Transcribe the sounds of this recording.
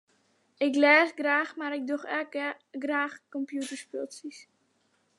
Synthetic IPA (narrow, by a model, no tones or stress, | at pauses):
ɪklɛːzɡraːxmaɾɪk̚duxɛk | ɡraːxkɔmpjutəɹspølˠsis